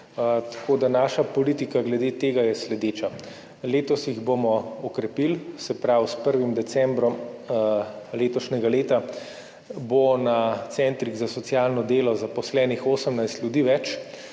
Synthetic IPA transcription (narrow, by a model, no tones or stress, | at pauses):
t̪ḁkoːd̪anaʃapɔliːt̪ikaɡlɛd̪eːt̪eːɡajɛslɛd̪eːt͡ʃa | leːt̪ɔsjiɣbomɔɔkɾɛpilsɛpɾawspəɾʋimd̪ɛsɛmbɾɔm | leːt̪ɔʃnʲɛɡaleːt̪a | bonat̪sɛnt̪ɾiɡzasɔt̪sjalnɔd̪eːlɔzapɔslɛːnixoːsəmnajst̪lʲjud̪iːʋɛt͡ʃ